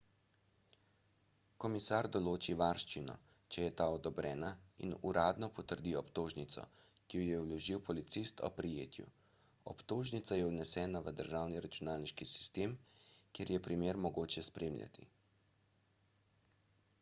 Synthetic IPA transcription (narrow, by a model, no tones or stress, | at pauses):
kɔmisaɾd̪ɔloːt͡ʃiʋaɾʃt͡ʃinɔ̰ | t͡ʃɛjɛt̪aːɔd̪ɔbɾɛːnaḭnuɾaːd̪nɔpɔt̪əɾd̪iɔpt̪oːʒnit̪sɔ̰ | kijɔjɛwlɔʒiwpɔlit̪sist̪ʰɔ̰pɾijeːt̪jṵ | ɔ̰pt̪oːʒnit̪sajɛwnɛsɛːnaʋəd̪əɾʒawniɾat͡ʃunaːlniʃkisi̥st̪eːmkjeɾjɛpɾimeːɾmɔɡoːt͡ʃɛspɾeːmlʲa̰t̪ḭ